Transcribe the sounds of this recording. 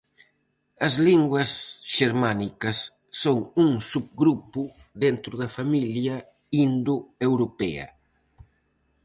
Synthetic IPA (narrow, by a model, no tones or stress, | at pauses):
ɐzliŋɡwɐsʃeɾmanikɐsː | oŋuŋsub̚ɡɾupʊ | d̪ent̪ɾʊðɐfamiljɐ | ind̪uewɾopɛ̰ɐ̰